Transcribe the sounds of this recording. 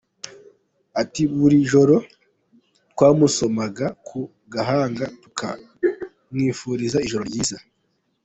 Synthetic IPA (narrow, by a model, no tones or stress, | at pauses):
atiβuɾiʒo̞ɾo̞ | twaːmuso̞maɡakʰu | ɡaɦaːŋɡatu̥kʰa̰ | mŋiːfuɾizaiʒo̞ɾoɾɟiːza